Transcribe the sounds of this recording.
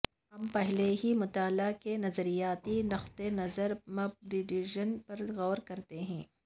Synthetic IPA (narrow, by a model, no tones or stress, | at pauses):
ɦɐmpɛɦleɦimʊt̪aːlakenɐzəɾijaːt̪inɐxt̪enɐzəɾmɐb̚dɪɖiʒənpɐɾɣɔːɾkɐɾt̪eɦɛ̰̃ː